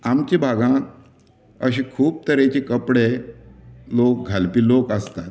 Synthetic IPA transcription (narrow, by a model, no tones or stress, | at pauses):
amt͡ɕĩbʱaɡãk | əɕ̬ikʰuːp̚t̪əɾet͡ɕekəpɽe | lok̚ɡʱalpiːlokəst̪at̪̚